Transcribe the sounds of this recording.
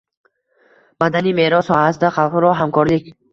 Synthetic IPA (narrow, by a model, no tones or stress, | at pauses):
b̥ad̪anime̞ɾɒshɔasd̪aχalˠqɾɒɦamkʰɒɾlikʲ